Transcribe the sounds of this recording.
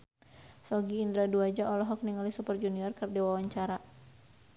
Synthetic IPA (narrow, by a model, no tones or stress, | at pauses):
sɔɡiːnd̪ɾaduad͡ʒaʔɔlɔɦɔk̚niŋalisupərd͡ʒuniɔrkɨrdɛwawaɲt͡ʃaɾa